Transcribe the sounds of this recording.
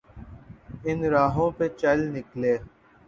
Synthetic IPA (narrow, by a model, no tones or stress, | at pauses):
ɪnɾaːɦõːpet͡ʃəlnɪkleː